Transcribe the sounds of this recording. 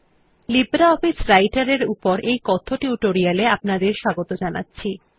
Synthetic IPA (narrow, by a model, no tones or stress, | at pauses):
libɾaɔfisɾajʈaɾeɾupoɾejkɔt̪ʰoʈiuʈoɾialeapnad̪eɾʃaɡot̪od͡ʑana̰tːɕʰi